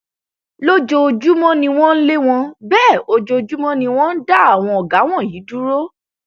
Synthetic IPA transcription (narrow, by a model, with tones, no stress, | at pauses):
lo˦d͡ʒo˧d͡ʒu˦mɔ̃˦nĩ˧w̃ɔ̃˦n̩˦le˦w̃ɔ̃˧bɛː˦˨o˧d͡ʒo˧d͡ʒu˦mɔ̃˦nĩ˧w̃ɔ̃˦n̩˦da˦˨a˨w̃ɔ̃˧ɔ˨ɡa˨˦w̃ɔ̃˦˨ji˨˦du˦ɾo˦